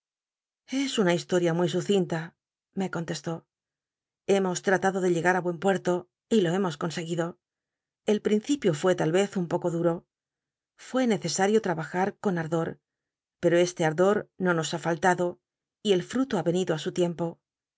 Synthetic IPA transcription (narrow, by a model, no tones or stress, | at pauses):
e̞sunaist̪o̞ɾjamwijsuθint̪a | me̞ko̞nt̪e̞st̪o̞ | e̞mo̞st̪ɾat̪aðo̞ðe̞ʎe̞ɣaɾaβwe̞mpwe̞ɾt̪o̞ | ilo̞e̞mo̞sko̞nse̞ɣiðo̞ | e̞lpɾin̟θipjo̞fwe̞t̪alβe̞θumpo̞ko̞ðuɾo̞ | fwe̞ne̞θe̞saɾjo̞t̪ɾaβaxaɾko̞naɾðo̞ɾ | pe̞ɾo̞e̞st̪e̞aɾðo̞ɾno̞no̞safalt̪aðo̞ | ie̞lfɾut̪oaβe̞niðoasut̪je̞mpo̞